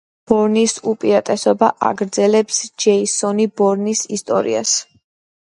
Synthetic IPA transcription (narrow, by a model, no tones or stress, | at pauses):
b̥ɔɾnisupʼiɾat̪ʼɛsɔbaʔa̰ɡɾd̪zɛlɛpsd͡ʒɛisɔnibɔɾnisist̪ʼɔ̰ɾḭa̰s